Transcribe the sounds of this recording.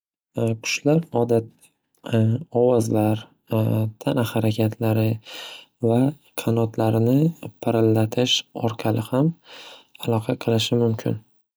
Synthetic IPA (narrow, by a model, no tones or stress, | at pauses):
kʰʊ̥ʃlaɾɒd̪at̪ | ɒwɒzlaɾ | t̪ʰanahaɾakʲʰat̪ʰlaɾɪ | va | qʰɑnɒt̪ʰlaɾɪnɪpʰaɾɪlːat̪ʰɪʃɒ̰ɾqʰɑlɪham | alˠɒqʰɑqʰɨlˠɪʃɪmʊmkʲʰɪ̰n